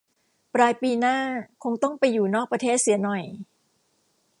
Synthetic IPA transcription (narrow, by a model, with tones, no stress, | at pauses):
pɾaː˧jpiː˧naː˥˩kʰo˧ŋt̪ɔ˥˩ŋpa˧jːuː˨˩nɔː˥˩k̚pɾa˧t̪ʰeː˥˩t̪̚si˨˩˦nɔ˨˩j